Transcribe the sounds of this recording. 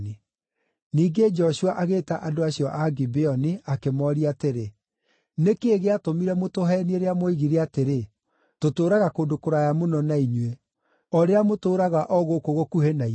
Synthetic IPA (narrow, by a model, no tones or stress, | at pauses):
ni | niːɡed͡ʒɔɕuwaʔaɣeːtaʔadoaɕiɔʔaɡibeɔniakemɔɾiateɾe | nekeːɣeatomiɾɛmotoɦɛnieɾeamoiɣiɾeateɾe | totoːɾaɣakoːndokoɾajamonɔnaiɲwe | ɔɾeamotoːɾaɣaʔɔɣokoɣokuɦenai